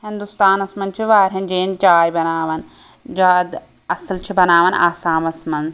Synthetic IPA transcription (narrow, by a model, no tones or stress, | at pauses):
ɦĩnd̪ust̪aːnɐsmɐnt͡ʃʰiʋaːɾʲɦɐnd͡ʒeːnt͡ʃaːjbɐnaːʋɐn | d͡ʒaːd̪ | ɐslt͡ʃʰibɐnaːʋɐnʔa̰ːsaːmɐsmɐn